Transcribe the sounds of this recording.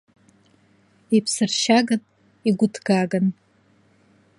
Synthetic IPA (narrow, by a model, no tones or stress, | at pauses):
ipʰsɨrʃaɡɨn | iɡʷʊtʰɡ̥aɡan